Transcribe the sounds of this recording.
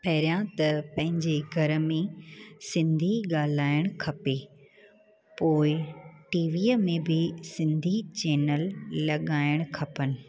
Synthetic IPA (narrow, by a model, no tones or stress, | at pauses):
pɐɦɪɾijãt̪ɐpɐ̃ɦɪ̃ɲd͡ʑeɡʱɐɾə̆mẽsɪ̃nd̪ʱiɠaːl̤aːɪɽ̃kʰɐpe | poːɪʈiːʋiːəmẽbɪsɪ̃nd̪ʱit͡ɕɛːnəlːɐɠaːɪɽ̃kʰɐpənɪ̆